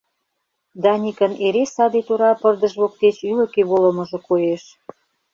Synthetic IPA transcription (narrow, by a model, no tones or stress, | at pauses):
d̪ɑnʲikə̆neɾesɑd̪et̪oɾɑpərd̪ə̆ʒβok̚t̪et͡ɕylə̆keβolə̆mə̆ʒɤ̆kojeʃ